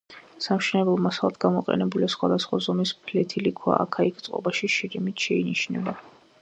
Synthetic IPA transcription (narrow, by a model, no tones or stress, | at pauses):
samʃɛnɛbɛlˠmasalˠad̪ɡamɔqʼɛ̰nɛbuliasχwad̪asχwazɔmispʰlɛt̪ʰilikʰwa̰ʔa̰kʰaikʰt̪sʼqʼɔ̰baʃiʃiɾimit̪ʰʃɛiniʃnɛba